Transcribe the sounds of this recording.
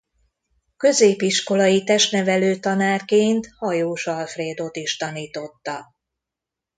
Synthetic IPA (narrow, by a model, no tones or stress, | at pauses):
kø̞zeːpiʃko̞lɒjit̪ɛʃt̪nɛvɛløːt̪ɒnaːrkeːnt̪hɒjoːʃɒlfreːd̪o̞t̪iʃt̪ɒniːt̪o̞t̪ːɒ